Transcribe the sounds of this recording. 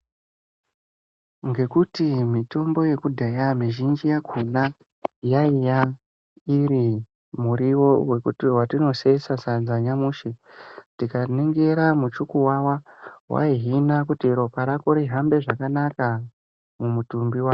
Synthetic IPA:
ŋɡe̞kutimito̞mbo̞je̞kudʱejamiʒind͡ʒijakʰuna | jaija | iɾi | muɾiwo̞we̞kṵtiwatino̞se̞sasad͡zaɲamuːʃitikaniŋɡe̞ɾamut͡ʃukuwawawʔa̰iɦinakutiɾo̞paɾakoɾiɦambe̞ʐakanaka | mumutumbiwaː

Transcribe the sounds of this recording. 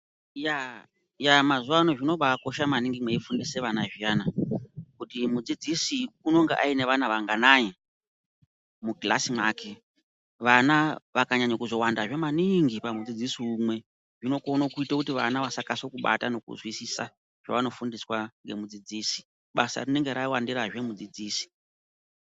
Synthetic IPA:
ja | jamazuwano̞ʐino̞ɓako̞ʃamaniŋɡimweifundise̞ʋanaʐijanakutimud͡zid͡zisiuno̞ŋɡeʔaine̞ʋanaʋaŋɡanaje | muɡila̰simwaːke | ʋanaʋakaɲaɲakuzo̞wandaʐe̞maniŋɡipamud͡zid͡zisiumwe̞ | ʐino̞konokuitakutiʋanaʋasakaso̞kuɓa̰tano̞kṵzwisisa | ʒ̥a̰ʋano̞fundiswaŋɡemud͡zid͡ziːsi̥ | ɓasa̰rine̞ŋɡe̞ɾaiwandiɾaʒwemud͡zid͡ziːsi̥

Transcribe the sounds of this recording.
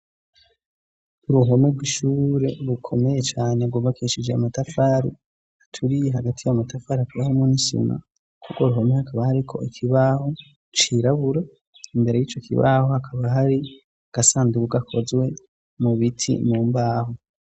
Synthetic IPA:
uɾuɦo̞mebɡwiʃuːɾe̞ɾukʰo̞me̞je̞t͡ʃaːneɡwoːβakiʃid͡ʒeamatafaːɾḭ | atʰuɾijeɦaɡatʰijamatʰafaːɾiakuβahomunisḭna̰ | kʰukwoɾuɦo̞mehakʰaβahaɾikʰo̞̰ʔikʰiβaho | t͡ʃiɾaβuɾe | imbe̞ɾe̞jiːt͡ʃokʰḭβa̰hohakʰaβaɦaɾi | aɡ̥asaːndiβuɡakʰo̞zwe̞ | muβitʰḭmuːmbaːho

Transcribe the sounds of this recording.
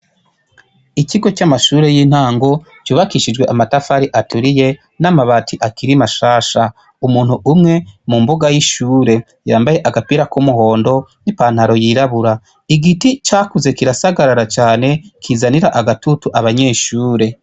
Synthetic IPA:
iciɡo̞t͡ʃamaʃuːɾe̞jiːn̥haːŋɡo̞ | t͡ʃuːβakiʃid͡ʒɡwe̞ʔamatafaɾiʔatuɾije̞ | namaβatʰiʔakiɾimaʃaːʃa | umuːn̥huʔumŋe̞mumbuɡajiʃuːɾe̞ | jaːmbaje̞ʔaɡapiɾakumuɦo̞ːndo̞nipan̥haɾo̞jiɾaβuɾa | iɡitit͡ʃaːkuze̞kiɾasaɡaɾaɾat͡ʃaːne̞kʰizaniɾaʔaɡatutuʔaβaɲe̞ːʃuːɾe̞

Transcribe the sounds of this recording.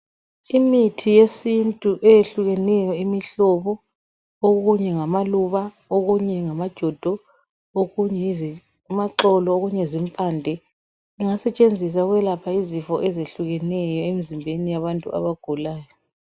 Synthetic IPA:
imitʰijesintʼuʔɛjeɬuɣɛnɛjɔimiɬɔβɔ | oɣuɲɛŋamaluβa | oɣuɲɛŋamad̥ʒ̥ʱɔd̥ʱɔ | oɣuɲɛ | maǃɔlɔoɣuɲɛzimpʼandʱɛ | iŋasɛt͡ʃʼend͡zʱis̬aɣwɛlapʰaizifɔʔɛzeɬuɣɛnɛjɔemizimbʱenijaβantʼṵa̰βaɡ̥ʱulaːjɔ

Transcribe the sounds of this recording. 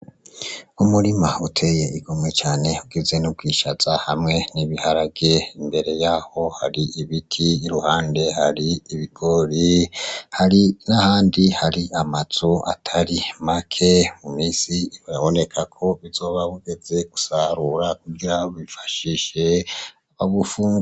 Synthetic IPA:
umuɾimautʰe̞je̞ʔiɡ̥omŋet͡ʃaːne̞ubɡize̞nub̚ɡiːʃaz̥ahamŋe̞niβihaɾabɡe̞imbe̞ɾe̞jaːho̞haɾiʔiβitʰiːɾuhaːnde̞haɾiiβiɡ̥o̞ɾihaɾinahaːndihaɾiʔamaz̥uʔa̰tʰaɾimakʰe̞mumiːsiaβo̞ne̞kʰakʰo̞βizo̞ːβaβuɡe̞ze̞ɡ̥usaɾuɾakuɡiɾaoβifḁʃiʃe̞aβaβufuːŋɡ

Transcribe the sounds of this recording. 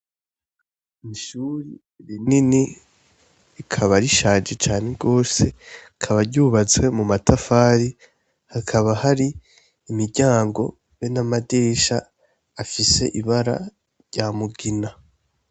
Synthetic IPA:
miʃuːɾi | βinini | ikʰaβaɾiʃaːd͡ʒet͡ʃaːne̞ɡo̞ːse̞ | kʰaβaɾɟuːβat͡swe̞mumatafaːɾi | hakʰaβahaɾiː | miɾɟaːŋɡo̞̰ | jenamadeʃaː | fise̞̰ʔiβaɾa̰ | ɾɟaːmuɡina

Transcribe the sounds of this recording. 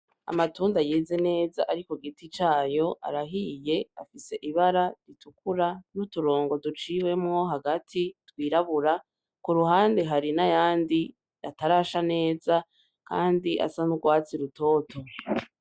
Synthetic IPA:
a̰matuːndajeːze̞ne̞ːzaʔaɾiko̞ɡitit͡ʃaːjo̞ʔa̰ɾaɦije̞afise̞ʔiβaɾaɾitukʰuɾanutuɾo̞ːŋɡo̞dut͡ʃiːwe̞mŋo̞ɦaɡatʰitwiːɾaβuɾa | kuɾuɦaːndeɦaɾinajaːndi | ataɾaːʃane̞ːza | ka̰ːndiʔa̰sanuɡwaːt͡siɾuto̞ːtʰo̞

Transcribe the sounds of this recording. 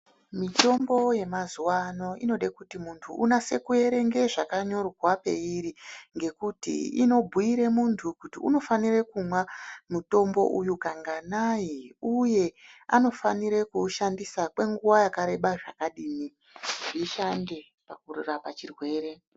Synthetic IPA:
mito̞mbo̞je̞mazuwano̞ʔino̞ɗekutimuntʰuʔunase̞kuje̞ɾe̞ŋɡe̞ʐakaɲo̞rwape̞̰iɾiŋɡe̞kutḭḭno̞bʱuiɾemuntʰukutiuno̞fanirekumwamuto̞mbo̞̰ʔujukaŋɡanajiuje̞ano̞faniɾekuʃandisakwe̞ŋɡuwajakaɾe̞ɓaʐakaɗiːmi | iʃande̞ | pakururapat͡ʃirwe̞ːɾe̞

